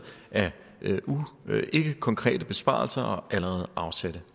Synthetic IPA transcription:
æ | ʔuʔe̝ɡ̥əkʰɒ̽ŋkʰʁɛ̰ːd̥əb̥e̝sb̥ɑ̰̈ːlsɐʔɒ̽ʔæləʁɛːð̞̩ˠʔɑ̈ʊsæd̥ə

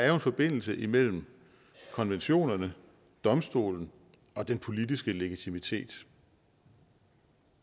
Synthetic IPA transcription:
ɑ̈æɐjoe̝nfɒ̽b̥e̝n̰l̩səʔimel̰m̩ | kʰɒ̽nʋenɕo̝̰ːnɐnə | d̥ɒ̽msd̥o̝̰ːln̩ | ʔɒ̽d̥enpʰo̝lidisɡ̥əle̝ɡ̥it͡sʰimit͡sʰe̝̰ːd̥

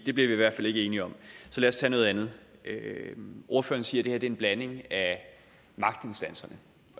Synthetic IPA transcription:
d̥e̝b̥liɐʋiiʋæɐ̰̥fæl̰e̝ɡəe̝ːniɒ̽msɒ̽læːɐst͡sʰɛ̰ːnɔ̽ːð̞̩ˠænð̞ˠøʔo̝ɐfø̰ːɐn̩siːɐɾ̥e̝heæɐd̥ee̝nb̥læne̝ŋæ | mɑ̈ɡ̥̚d̥e̝nsd̥ænsɐnə

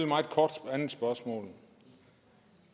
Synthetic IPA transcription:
lmɑ̈ɪdˠkʰɒːd̥pʰɒænn̩sb̥ɶɐsmɔ̰̽ːl̩

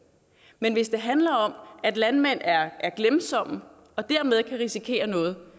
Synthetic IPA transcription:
menʋe̝sd̥e̝ɦænlɐɒ̽m̰æd̥lænmen̰æɐʔæɐɡ̥lemsɒ̽m̰ | ɒ̽d̥æɐ̰með̞ˠkʰæʁisikʰe̝̰ːɐnɔ̽ːð̞̩ˠ

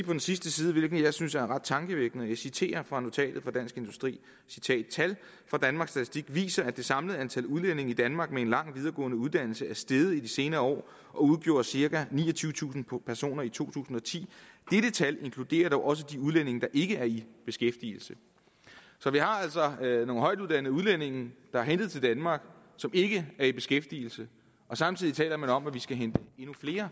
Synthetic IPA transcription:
pʰɒ̥̽ensisd̥əsiːðˠəʋe̝lɡ̥n̩jɑ̈ɪsynsæɐnʁɑ̈d̥̚t͡sʰɑ̈ŋɡ̥əʋeɡ̥nð̩ˠjɑ̈ɪsit͡sʰe̝̰ːɐfʁɑ̈no̝t͡sʰɛ̰ːd̥ð̩ˠfɒd̥æn̰sɡ̥e̝nd̥usd̥ʁḭː | si̥t͡sʰɛ̰ːd̥̚t͡sʰæl | fʁɑ̈d̥ænmɑ̈ːɡ̥sd̥æt͡sʰisd̥iɡ̥ʋḭːsɐæd̥e̝sɑ̈mləð̞̩ˠænt͡sʰæluðˠlen̰e̝ŋ̩id̥ænmɑ̈ːɡ̥mee̝nlɑ̈ŋ̰ʋiðˠɐɡ̥ɔ̰ːnəuðˠd̥æn̰l̩səæɐsd̥eð̞ˠəid̥ise̝ːnɐːɒ̰ː | ʔɒ̽uð̞ˠɡ̥jo̝ɐsiɐkænḭːɒ̽t͡sʰyːʊət͡sʰṵːsn̩pʰæɐso̝̰ːnɐit͡sʰo̝̰ːt͡sʰṵːsn̩ɒ̽t͡sʰḭːd̥eɾ̥ət͡sʰæle̝ŋkʰlud̥e̝̰ːɐd̥ɒʊʔɒ̽s̬əd̥iuð̞ˠlen̰e̝ŋ̩d̥ɑ̈ʔe̝ɡ̥əæɐib̥e̝sɡ̥efd̥ḭːl̩sə | sɒ̽ʋihɑ̈æl̰sɒ̽no̝ːn̩ɦɒ̽ɪ̰d̥uð̞ˠd̥æn̰ð̩ˠuð̞ˠlen̰e̝ŋ̩d̥ɑ̈æɦend̥ð̩ˠt͡sʰe̝ld̥ænmɑ̈ːɡ̥ | sɒ̽me̝ɡ̥əæɐib̥e̝sɡ̥efd̥iːl̩sə | ɒ̽sɑ̈mt͡sʰið̰ˠit͡sʰɛ̰ːlɐmænɒ̽mæʋisɡ̥æɦend̥əe̝nufle̝ːɐ

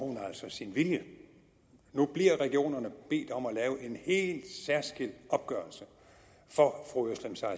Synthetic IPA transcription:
hunæl̰sɒ̽sinʋiljə | nub̥liɐ̰ʁɛɡ̥io̝̰ːnɐnəb̥e̝̰ːd̥ɒ̽mælɛːʊəʔe̝nhe̝̰ːld̥sæɐsɡ̥el̰d̥ɒ̽b̥̚ɡ̥ɶɐlsə | fɒ̽fʁuøslemsɑɪ

